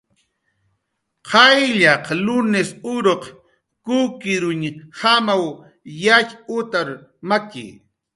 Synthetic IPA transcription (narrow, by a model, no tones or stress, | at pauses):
qʰɑjʎɑqlʊnɪsʊɾoq | kʊkɪɾʊɲhamaw | jaʎʊt̪aɾmakɪ̰